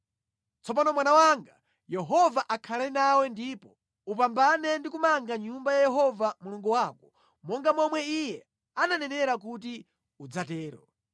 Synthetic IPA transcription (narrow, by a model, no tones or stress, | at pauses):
t͡sɔp̬anɔmwanawaŋɡa | jɛɦɔvaʔakʰalɛnawɛndiːpɔ | up̬ambanɛndikumaŋɡaɲumbajajɛɦɔvamuluŋɡuwaːkɔ̥ | mɔŋɡamɔmwɛijɛ | ananɛnɛɾak̬ut̬i | ud͡zatɛːɾɔ̰